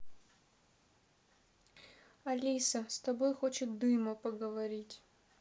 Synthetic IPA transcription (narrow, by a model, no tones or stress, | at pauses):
ɐlʲisəst̪ɐbo̞jxo̞t͡ɕɪt̪̚d̪ɨmʊpəɡəvɐɾʲitʲ